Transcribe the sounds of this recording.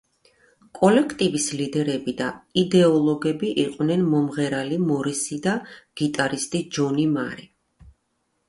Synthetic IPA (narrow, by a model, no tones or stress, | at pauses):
kʼɔlɛkʰt̪ʼivislid̪ɛɾɛbid̪aid̪ɛɔlˠɔɡɛbiʔiqʼwnɛnmɔmʁɛɾalimɔɾisid̪aɡ̥it̪ʼaɾist̪ʼid͡ʒɔnima̰ɾi